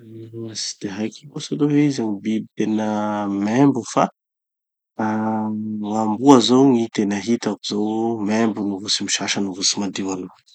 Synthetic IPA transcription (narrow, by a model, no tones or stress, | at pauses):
asi̥d̪̥eɦajkiosaloɦeizaŋibibit̪enəmɛmbufa | ŋambuazowŋit̪enəɦit̪akuzowmembunuvusimiʃaʃənuvusimad̪ewalu